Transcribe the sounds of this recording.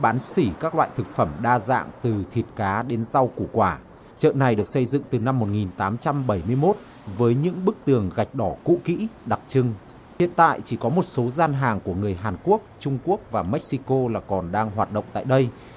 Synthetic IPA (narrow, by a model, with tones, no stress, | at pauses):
ɓaː˨˦nsi˧˩kaː˦˥k̚lwa̰ː˧˨jt̪ʰɨ˨˩k̚fə˧˩mɗaː˧za̰ː˧˨ŋt̪ɨ˨˩t̪ʰi˨˩ət̚kaː˨˦ɗe˨˦nza˧wku˧˩kwaː˧˩ | t͡ɕə̰ː˧˨na˨˩jɗɨ˨˩ək̚sə˧jzɨ̰˧˨ŋt̪ɨ˨˩na˧mːo˨˩t̚ŋi˨˩nt̪aː˨˦mt͡ɕa˧mɓə˧˩jmɨ˧əjmo˦˥t̚ | vəː˨˦jɲɨ̰˧˥ŋɓɨ˦˥k̚t̪ɨ˨˩əŋɣa˨˩jk̟̚ɗɔ˧˩kṵ˧˥kḭ˧˥ɗa˨˩k̚t͡ɕɨ˧ŋ | hḭ˧˨ənt̪a̰ː˧˨jt͡ɕi˧˩kɔ˨˦mo˨˩t̚so˨˦zaː˧nɦaː˨˩ŋku˧˩əŋɨ˨˩əjɦaː˨˩nku˦˥ək̚t͡ɕʊ˧ŋ͡mku˦˥ək̚vaː˨˩mɛ˦˥k̚si˧ko˧laː˨˩kɔ˨˩nɗaː˧ŋɦwaː˨˩t̚ɗə̰˧˨wŋ͡mt̪a̰ː˧˨jɗə˧j